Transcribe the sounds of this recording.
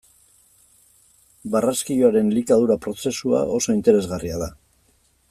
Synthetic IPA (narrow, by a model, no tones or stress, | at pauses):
baraskijoaɾe̞nlikaðuɾapɾo̞se̞sua̰ʔo̞so̞int̪e̞ɾe̞zɣariaða